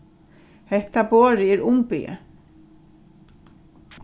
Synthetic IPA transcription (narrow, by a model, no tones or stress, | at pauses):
hɛht̪apoːɾɪɛɾʊmpɪ̰ə̰